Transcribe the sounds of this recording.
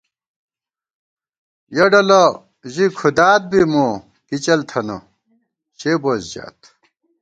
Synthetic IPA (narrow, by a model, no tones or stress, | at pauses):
jɐɖɐlɐ | ʑikʰud̪aːt̪̚bimo | kit͡ɕɐlt̪ʰɐnɐ̰ | ɕeːbozd͡ʑa̰ːt̪